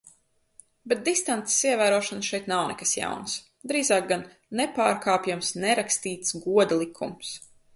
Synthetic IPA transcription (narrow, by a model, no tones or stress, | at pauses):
bet̪̚d̪ist̪ant̪e̥siɛvæːɾuɔʃanʃɛjt̪nawnɛ̰kasja̰wns | d̪ɾiːzaːk̚ɡanː | ɛpaːɾkʰaːpjamsnɛɾakst̪iːt̪sɡuɔd̪alˠikʰːums